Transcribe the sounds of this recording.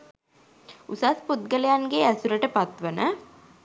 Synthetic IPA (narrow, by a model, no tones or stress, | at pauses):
usasput̪̚ɡəlejanɡeæsuɾəʈəpat̪ʋənə